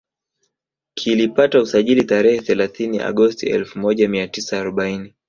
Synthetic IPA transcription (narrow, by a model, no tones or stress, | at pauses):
kʰilipatausaʄilitaɾɛhɛθɛlaθiniʔa̰ɠɔstḭɛ̰lfumɔʄamiatisaːɾɔɓaini